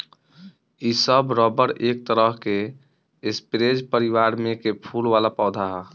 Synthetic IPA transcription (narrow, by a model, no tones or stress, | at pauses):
isəbɾɔbəɾek̚t̪əɾəɦke | ɪspɾed͡ʒpəɾiʋaɾmẽkepʰulʋalapaʊd̪ʱaɦɛ